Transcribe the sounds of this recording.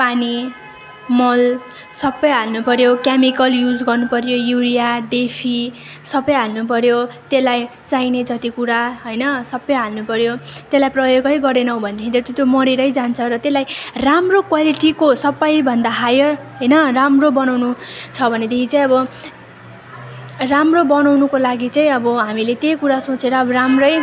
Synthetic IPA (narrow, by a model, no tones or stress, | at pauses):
pani | mʌl | sʌbːʌjɦalnupʌɾjokjamikʌljud͡zɡʌrnupʌɾjojuɾijaɖepʰi | sʌbʌjɦalnupʌɾjot̪elajt͡sajned͡zʌt̪ikuɾaɦʌjnʌsʌbːʌjɦalnupʌɾjot̪elajprʌjoɡʌjɡʌɾenʌw̃bʱʌnd̪ekit̪ʌt̪ot̪jomʌɾeɾʌjd͡zant͡sʰʌɾʌt̪elajramrokwaliʈikosʌpːajbʱʌnd̪aɦajʌrɦʌjnʌramrobʌnawnut͡sʰʌbʱʌned̪ekʰit͡saĩʌbʌ | ramrobʌnawnukolaɡit͡saĩʌbʌɦamilet̪ejkuɾasot͡seɾʌːbʌɾamrʌj